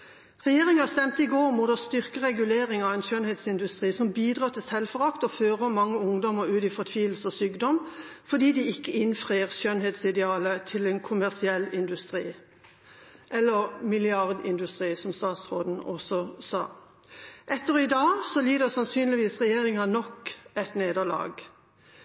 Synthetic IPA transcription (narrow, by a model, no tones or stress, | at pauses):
ʁɛjeːʁɪŋɑst̪ɛmt̪əɪɡoːʁmuːd̪əst̪ʏʁkəʁɛɡʉleːʁɪŋɑɛnʃœnheːt̪sɪnd̪ʉst̪ʁiːsɔmbiːd̪ʁɑːt̪ʰɪsɛlfɔʁɑkt̪ɔføːʁəmɑŋːəʊŋd̪ɔməɾʉːd̪iːfɔt̪ʰʋiːʋl̩sɔsyːɡd̪ɔm | fɔd̪iːd̪iɪkːəɪnfʁeːəʁʃœnheːt̪sɪd̪ɛɑːlət̪ʰɪlɛnkʰʊmæʁsɪɛlːɪnd̪ʉst̪ʁiː | ʔɛlːəʁmɪlɪɑʁd̪ɪ̰nd̪ʉst̪ʁiːsɔmst̪ɑːt̪sʁoːd̪n̩ɔ̰sɔsɑ̰ː | ʔɛt̪ːəʁɔɪd̪ɑːsɔliːd̪əsɑnsyːnlɪʋiːsʁɛjeːʁɪŋɑnɔkɛt̪neːd̪əlɑ̰ːɡ